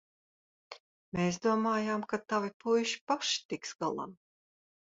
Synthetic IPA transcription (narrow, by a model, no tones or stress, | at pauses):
meːsd̪uɔmaːjaːmkat̪avipujʃi̥paʃi̥t̪iksɡalˠa̰m